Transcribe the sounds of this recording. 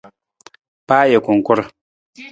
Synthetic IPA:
paː˦je˨kʊ˨ŋ˨kʊ˦ɾ

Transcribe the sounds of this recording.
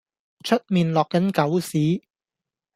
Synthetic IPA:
t͡ʃʰɵ˥t̚miː˨nlɔː˨kːɐ˨˥nkɐ˨˥wsiː˨˥

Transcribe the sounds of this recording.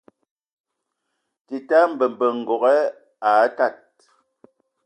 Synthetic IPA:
ti˨ta˦m̩˨bə˨m˨bə˨ŋ̩˨ɡɔ˨ɣɛ˦ | a˨˦ta˦˨t̚

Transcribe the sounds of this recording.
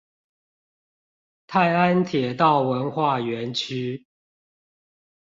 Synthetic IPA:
t̪ʰa˥˨ɪa˦nt̪ʰjɛ˨˩t̪ɑ˥˨ʊwə˨˦nxwa˥˨ɥɛ˨˦nt͡ɕʰy˥

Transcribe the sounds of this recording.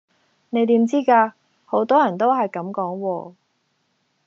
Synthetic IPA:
ne˨˧jt̪iː˨˥mt͡siː˥kaː˧ | ho˨˥wt̪ɔː˥jɐ˨˩nt̪̬o˥wɦɐ˨jkɐ˨˥mkɔː˨˥ŋwɔː˧

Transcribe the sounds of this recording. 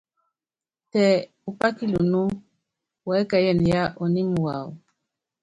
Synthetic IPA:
tɛ˨ | u˨pa˦ki˦lu˨nu˦ | wɛ˦ka˨jɛ˨ni˨ja˦ʔo˨ni˦m˨wa˨w

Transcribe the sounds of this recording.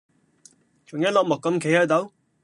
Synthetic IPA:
t͡ʃʰʊ˨˩ŋjɐ˥t̚lɔː˨k̚mʊ˨kːɐ˧˥mkʰe˨˥jhɐ˨˥t̪o˨˥w

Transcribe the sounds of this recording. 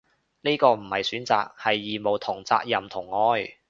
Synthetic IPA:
niː˥kɔː˧m̩˨˩hɐ˨jsyː˨˥nt͡sa̰ː˨k̚hɐ˨jːiː˨mo˨wt̪ʰʊ˨˩ŋt͡sa̰ː˧k̚jɐ˨mt̪ʰʊ˨˩ŋːɔː˧˥j

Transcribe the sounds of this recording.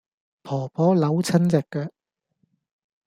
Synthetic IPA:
pʰɔː˨˩pʰɔː˨˥lɐ˨˥wt͡sʰɐ˥nt͡sɛ˨kːɛː˧

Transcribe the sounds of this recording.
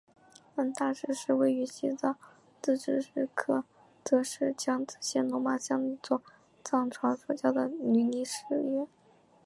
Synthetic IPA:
ə˥nt̪a˥˧ʂɻ̩˥˧ʂɻ̩˥˧we˥˩ɪy˧˥ɕi˥t͡sɑ˥˩ʊ | t͡sɹ̩˥˩ʈ͡ʂɻ̩˧˥˩ʂɻ̩˥˩kʰɤ˥˩ | t͡sɤ˧˥ʂɻ̩˥˩t͡ɕjɑ˥ŋt͡sɹ̩˥˨˩ɕjɛ˥nʊ˧˥ŋma˨˥˩ɕjɑ˥˩ŋi˧˥t͡swɔ˥˩ | t͡sɑ˥˩ŋʈ͡ʂʰwa˧˥nswɔ˧˥˩t͡ɕjɑ˥˩ʊd̪ə˩ny˧˥ni˧˥ʂɻ̩˥˧jɛ˥˩

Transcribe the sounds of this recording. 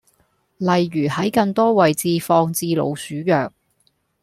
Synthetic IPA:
lɐ˨jɥyː˨˩hɐ˨˥jkɐ˧ŋt̪ɔː˥wɐ˨jt͡siː˧fɔː˧ŋt͡siː˧lo̰˨˧wsyː˨˥jœː˨k̚

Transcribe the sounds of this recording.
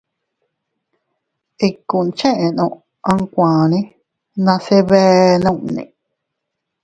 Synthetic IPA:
i˧kːu˨nt͡ʃẽ˦ʔẽ˨nõ˧ʔ | ã˦ŋkʷãː˨nĩ˦ | nã˧se˦βɛ˦nã˦˧ʔnḭ̃˨

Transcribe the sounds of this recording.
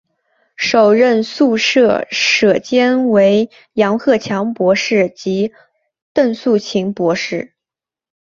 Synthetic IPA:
ʂo˨˩ʊɻə˥˧nsu˥˧ʂɤ˥˩ʂɤ˨˩t͡ɕjɛ˥nwe˧˥ɪ | jɑ˧˥ŋxɤ˥˩t͡ɕʰjɑ˧˥ŋpwɔ˧˥ʂɻ̩˥˩t͡ɕi˧˥ | t̪ə˥˧nsu˥˩t͡ɕʰi˧˥ŋpwɔ˧˥ʂɻ̩˥˩

